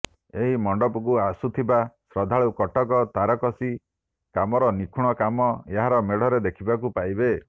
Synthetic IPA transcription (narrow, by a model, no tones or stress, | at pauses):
eɦimɔɳɖɔpɔk̬uasut̪ʰibasɾɔd̪ʱaɭukɔʈɔk̬ɔt̪aɾɔkɔsi | kamɔɾɔnikʰuɽ̃ɔkamɔeɦaɾɔmeɽɔɾed̪ekʰibak̬upajbe